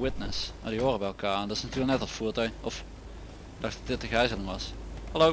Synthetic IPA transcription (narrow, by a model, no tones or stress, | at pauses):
wɪtnəsmaːdiɦoːrəbɛjɛlˠkaːndɑɪsnɑtyːləknɛtɔtfuːɹtœɥnɔf | dɑxtɑtdɪt̚əɣɛjzənɪŋʋɑshɛlo